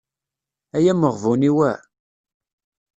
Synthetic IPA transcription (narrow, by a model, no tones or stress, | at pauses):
æjæməʁvuniwæ